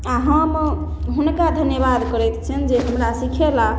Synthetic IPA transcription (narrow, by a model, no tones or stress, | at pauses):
aɦəm | ɦunkad̪ʱənjəbad̪kəɾɛt̪t͡ʃʰənd͡ʒeɦəmɾasikʰela